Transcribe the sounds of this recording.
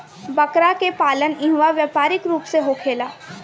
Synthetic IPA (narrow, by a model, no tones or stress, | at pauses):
bɐkɾakepaːlənɪ̃ɦʋaʋjaːpaːɾɪkɾuːpseɦokʰeːlaː